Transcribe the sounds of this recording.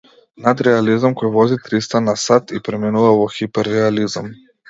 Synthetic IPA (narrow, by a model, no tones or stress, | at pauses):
nad̪ɾɛalizamkɔjvɔzit̪ɾist̪anasat̪ipɾɛminuvavɔxipɛɾːɛalizam